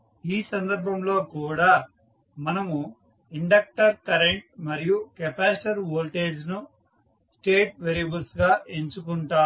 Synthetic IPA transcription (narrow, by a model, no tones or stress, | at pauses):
iːsɐnd̪ɐɾbʱɐmlo̞ːkuːɽaː | mɐnɐmu | iɳɖɐk̚ʈɐɾkɐɾeɳʈ̚mɐɾijukɛpaːsʈɐɾʋoːlʈeːd͡ʒnu | sʈeːʈ̚ʋeɾibɐlsɡaːʔeɲt͡ʃukuɳʈaː